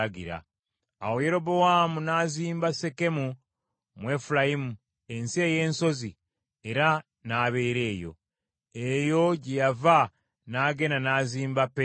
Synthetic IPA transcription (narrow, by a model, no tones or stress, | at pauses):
ɡḭɾa̰ː | wo̞je̞ɾo̞bo̞wamunaːziːmbase̞ke̞mu | mwe̞fulajimu | e̞nsie̞je̞ːnso̞zi | e̞ɾa | naːβe̞ːɾe̞ːjo̞̰ | ejo̞ɟejava | naːɡe̞nanaːziːmbape